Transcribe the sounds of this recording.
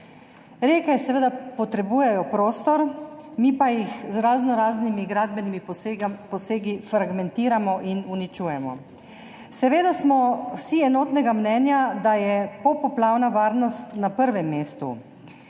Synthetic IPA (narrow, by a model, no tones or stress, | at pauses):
ɾekɛsɛʋeːd̪apɔt̪ɾɛbuːjɛjɔpɾoːst̪ɔɾmipajixzɾaːznɔɾaːznimiɡɾaːd̪bɛnimipɔseːɡifɾaɡmɛnt̪iːɾamɔʔinunit͡ʃuːjɛmɔ | sɛʋeːd̪asmɔwsiɛnoːt̪nɛɡamnɛːnjad̪ajɛpɔpɔplaːwnaʋaːɾnɔst̪napəɾʋɛmːeːst̪ṵ